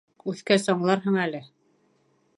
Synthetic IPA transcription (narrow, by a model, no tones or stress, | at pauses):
ʉθkæsɒɴlˠɑɾɦɤɴælɘ